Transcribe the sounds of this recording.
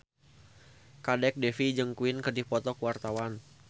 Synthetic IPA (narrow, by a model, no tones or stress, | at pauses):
kadɛk̚dɛfid͡ʒəŋkuɪnkərdihpɔt̪ɔkuwart̪awan